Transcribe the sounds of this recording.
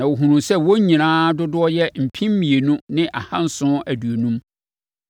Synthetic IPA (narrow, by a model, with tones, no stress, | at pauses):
nã˨wo˨ɦũ˨ɾũ˨sɛ˦wo˦ɲĩ˨nãː˦dʊ˦dʊ˦ɔ˦jɛ˦m̩˨pʰĩ˦m˦mĩ˨e˨nũ˦nɪ̃˦ʔa˨hã˦n̩˦sʊ̃˦æ˨du˨o˨nũ˦m